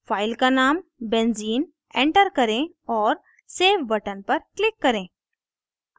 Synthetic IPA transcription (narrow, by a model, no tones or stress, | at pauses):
fajlkanambẽnd͡ziːn | ẽɳʈəɾkəɾẽ | ɔɾ | seʋbəʈənpəɾklikːəɾẽ